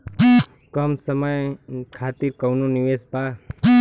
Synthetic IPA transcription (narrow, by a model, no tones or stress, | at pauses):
kəmsəməjkʰaːt̪iɾkəwnũniʋespa